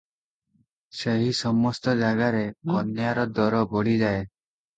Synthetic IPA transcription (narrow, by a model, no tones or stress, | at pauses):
seɦisɔmɔst̪ɔd͡ʒaɡaɾekɔnjaɾɔd̪ɔɾɔbɔɽid͡ʒae